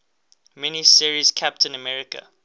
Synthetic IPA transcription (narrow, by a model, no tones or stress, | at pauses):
mɛnisiɹiz̥kʰæp̚tə̃nəmɛɹɪkə̰